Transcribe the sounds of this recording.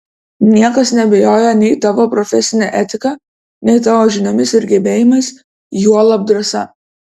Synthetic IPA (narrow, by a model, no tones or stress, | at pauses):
nʲiɛkɐsnʲɛbʲɛjoːjɛnʲɛɪt̪ɑʋoːpɾɔfʲɛsʲɪnʲɛːʔɛt̪ʲɪkɑ | nʲɛɪt̪̬ɑʋoːʒʲɪnomʲɪsɪɾɡʲɛːbʲeːjɪmɐɪs | juɔlˠɐb̚d̪ɾɐsɐ̰